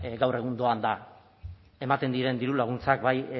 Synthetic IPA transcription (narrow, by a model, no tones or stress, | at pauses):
ɡawre̞ɣund̪o̞and̪a | e̞mat̪e̞nd̪iɾe̞nd̪iɾulaɣ̞unt͡sak̚baj